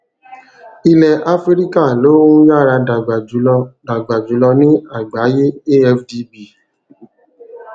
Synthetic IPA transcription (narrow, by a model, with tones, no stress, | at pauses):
i˧lɛ˨a˦fɾi˦ɾi˦ka˦˨lo˨˦wũ˦ja˦˨ɾa˧da˨ɡ͡ba˨d͡ʒu˨˦ɔ˧da˨ɡ͡ba˨d͡ʒu˨˦lɔ˧nĩ˦a˦˨ɡ͡ba˨˦je˦e˦ɛ˧fdi˧bi˨